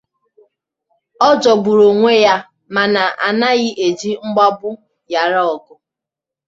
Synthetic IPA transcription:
ɔ˦d͡ʒɔ˨bu˨ɾo˨ŋʷe˦ja˦ | ma˨na˨ʔa̰˨na˦ɣɪ˦ʔe˨d͡ʒi˦ŋ͡m̩˦ɡ͡ba˦bʊ˦ | ja˨ɾɔ˨ɡʊ˨

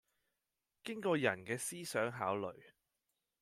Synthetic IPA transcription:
kɪ˥ŋkɔː˧jɐ˨˩nkɛː˧siː˥sœː˨˥ŋɦaː˨˥wlɵ˨˩ɥ

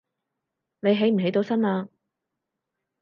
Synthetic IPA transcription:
ne˨˧jɦe˨˥jm̩˨˩ɦe˨˥jt̪o˨˧wsɐ˥naː˧

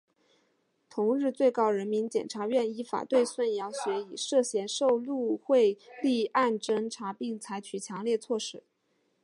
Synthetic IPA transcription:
t̪ʰʊ˧˥ŋɻɻ̩˥˧t͡swe˥˩ɪkɑ˥ʊɻə˧˥nmi˧˥nt͡ɕjɛ̰˨˩nʈ͡ʂʰa˧˥ɥɛ˥˩ni˧˥fa̰˨˩t̪we˥˧ɪswə˥˩njɑ˧˥ʊɕɥɛ˧˥i˨˩ʂɤ˥˩ɕjɛ˧˥nʂo˥˧ʊlu˥˧xwe˥˧ɪli˥˧a˥˩nʈ͡ʂə˥ŋʈ͡ʂʰa˧˥pi˥˩ŋt͡sʰa˧˥ɪt͡ɕʰy˨˩t͡ɕʰjɑ˧˥ŋljɛ˥˧t͡sʰwɔ˥˧ʂɻ̩˥˩˦

